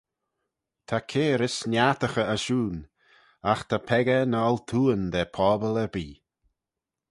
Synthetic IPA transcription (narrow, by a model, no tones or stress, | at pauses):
t̪ʰakʰeːɾɪsnjat̪əxəəʃuːn | axt̪ʰapʰɛɡənalt̪ʰuːənd̪ɛpʰɔːbələbiː